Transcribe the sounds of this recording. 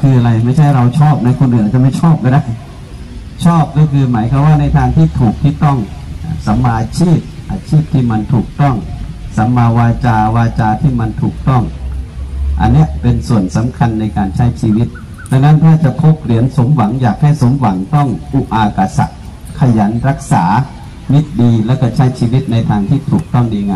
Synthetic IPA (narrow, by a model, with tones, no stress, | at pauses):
kʰɯː˧ʔa˧ɾa˧jma˥˩jt͡ɕʰa˥˩jɾa˧wt͡ɕʰɔː˥˩p̚na˦˥kʰo˧nʔɯː˨˩nʔa˨˩t͡ɕa˨ma˥˩jt͡ɕʰɔː˥˩p̚kɔː˥˩da˥˩j | t͡ɕʰɔː˥˩p̚kɔ˥˩kʰɯː˧maː˩˦jkʰa˧waː˥˩na˧jt̪ʰaː˧ŋt̪ʰiː˥˩t̪ʰuː˨˩k̚t̪ʰiː˥˩t̪ɔ˥˩ŋ˧˩sa˩˦mːaː˧a˧t͡ɕʰiː˥˩p̚ʔaː˧t͡ɕʰiː˥˩p̚t̪ʰiː˥˩ma˧nt̪ʰuː˨˩k̚t̪ɔ˥˩ŋsa˩˦mːaː˧waː˧t͡ɕaː˧waː˧t͡ɕaː˧t̪ʰiː˥˩ma˧nt̪ʰuː˨˩k̚t̪ɔ˥˩ŋ | ʔa̰˧nːi˦˥əʔpe˧nsu˨˩ənsa˩˦mkʰa˧nːa˧jkaː˧nt͡ɕʰa˦˥˩jt͡ɕʰiː˧wi˦˥t̪̚ | da˧ŋna˦˥˨nt̪ʰaː˧˥˩t͡ɕa˨˧˩pʰo˦˥p̚li˨˩˦ənso˨˩˦mwa˨˩˦ŋjaː˨˩k̚ha˥˩jso˨˦mwa˩˦ŋt̪ɔ˥˩ŋʔuː˧˩ʔaː˧ka˧˩sa̰˨˩ʔ | kʰa˧ja˩˦nɾa˦˥k̚sa̰ː˩˦ | mi˦˥t̪̚diː˧lɛː˦˧˥kɔ˧˥˩t͡ɕʰa˦˥˩jt͡ɕʰiː˧wi˦˥t̪̚na˧jt̪ʰaː˧ŋt̪ʰiː˥˩t̪ʰuː˨˩k̚t̪ɔ˥˩ŋdiː˧ŋaː˧